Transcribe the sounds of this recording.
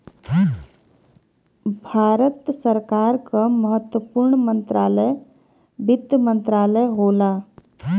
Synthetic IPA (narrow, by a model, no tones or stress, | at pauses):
bʱaːɾət̪səɾkaːɾkəməɦət̪wəpuɾɳmənt̪ɾaːləj | bɪt̪ːəmənt̪ɾaːləjɦoːla